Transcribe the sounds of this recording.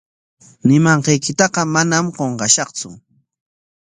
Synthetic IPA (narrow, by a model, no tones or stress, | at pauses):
nɪmɑɴqɑjkɪt̪ɑqɑmanamɢoɴɢɑʃɑqt͡sʊ̰